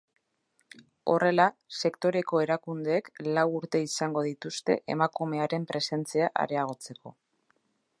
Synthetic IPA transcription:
o̞re̞lase̞kt̪o̞ɾe̞ko̞eɾakund̪eːklawuɾt̪e̞isaŋɡo̞ðit̪ust̪e̞̰ʔḛmakume̞aɾe̞mpɾe̞se̞nt͡siaʔa̰ɾe̞aɣ̞o̞t͡se̞ko̞̰

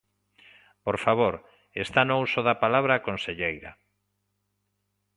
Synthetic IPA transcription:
poɾfaβoɾ | est̪anousoðapalaβ̞ɾakonseʎejɾɐ̰

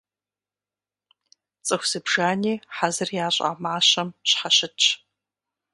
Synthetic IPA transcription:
t͡sʼɨxʷsɨbʒaːniːħazɨrjaːɕʼa̰ːmaːɕɐmɕħaɕɪtʰʼ

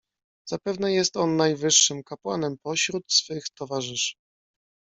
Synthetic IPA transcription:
z̥apɛvnɛjɛst̪ɔnːajvɘʂːɘmkapwanɛmpɔɕɾut̪sfɘxt̪ɔvaʐɘʂ

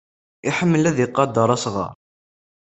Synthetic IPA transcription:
iħəmːəlæðjɪqːɑd̪əɾˤɑsʁɑ̰ɾ

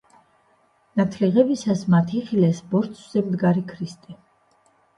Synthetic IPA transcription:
nat̪ʰliʁɛbisasmat̪ʰiχilɛsbɔɾt̪sʰz̥ɛmd̪ɡaɾikʰɾist̪ʼɛ

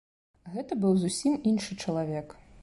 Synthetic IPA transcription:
ɣɛt̪ɐbɨwzusʲiminʂɨt͡ʂɐlˠavʲɛk

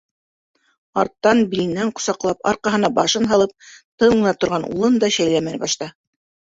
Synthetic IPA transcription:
ɑ̰ɾt̪ːɑnbilɘ̆nːæɴqŏ̥sɑqlˠɑpɑ̰ɾqɑɦɤ̆nɑbɑʃɤnɦɑlˠɤp̚t̪ɤɴ̆nɑt̪ŏɾʁɑnṵlˠɤnd̪ɑɕæjlæmænbɑʃt̪ɑ

